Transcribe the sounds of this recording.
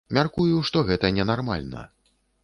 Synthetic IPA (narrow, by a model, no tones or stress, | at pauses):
mʲarkujuʂt̪ɔɣɛt̪ɐnʲɛnarma̰lʲnɐ̰